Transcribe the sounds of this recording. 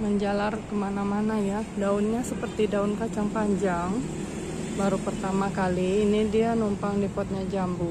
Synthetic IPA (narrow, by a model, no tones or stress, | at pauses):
məɲd͡ʒalarkəmanamanajadaunɲasəpərt̪idaunkat͡ʃaŋpaɲd͡ʒaŋ | baɾupərt̪amakaliːnidianumpaŋdipɔt̪̚ɲad͡ʒambu